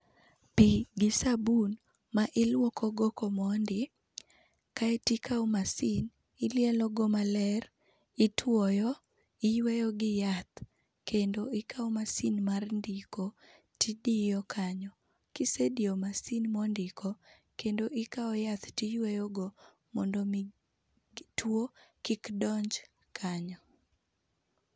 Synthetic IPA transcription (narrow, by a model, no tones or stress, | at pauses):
piɡɪsabun | maʔɪlwɔkʰɔɡokɔmɔndɪ | kaɛtikʰaɔmasin | ɪljɛlɔɡɔmalɛr | ɪtʰwɔjɔ | ɪjwejɔɡɪjat̪ | kendoɪkaɔmasinmarndɪko | tidijɔkʰaɲɔ | kɪsediomasinmɔndɪkɔ | kendoʔɪkaɔjat̪tijwejɔɡɔ | mɔndɔmi | twokikdɔɲd͡ʒ | kʰaɲɔ